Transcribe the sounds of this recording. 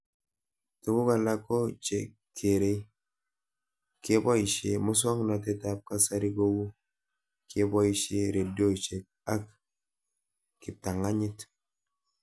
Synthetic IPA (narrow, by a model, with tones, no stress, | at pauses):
tu˨ɡu˦ka˨la˦ko˦t͡ʃe˨k | kʰːe˨ɾe˦ | ke˦bɔ˦i˨ʃe˨mu˦s̬ɔ˦ŋna˨te˦ta˦p̚ka˦sa˦ɾi˦ɡo˦ɡu˦ | ke˦bɔ˦i˨ʃe˦ɾe˨do˦t͡ʃe˨k̚a˦k | ki˨ta˨ŋa˦ɲi˦t